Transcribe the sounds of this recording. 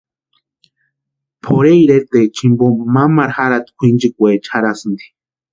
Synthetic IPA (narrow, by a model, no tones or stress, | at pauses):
pʰoɾeiɾet̪et͡ʃimbomamaɾhaɾat̪kʷʰind͡ʒikʷet͡ʃʰaɾasɨnd̪i̥